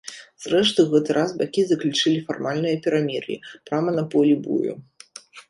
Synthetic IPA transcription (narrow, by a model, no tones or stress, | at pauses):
z̥rɛʂt̪ɨɣɛt̪ɨɾʔasbakʲizɐklʲut͡ʂɨlʲifarmalʲnɨjɐpʲɛɾamʲirlʲḭpɾamɐnɐpɔlʲibṵjṵ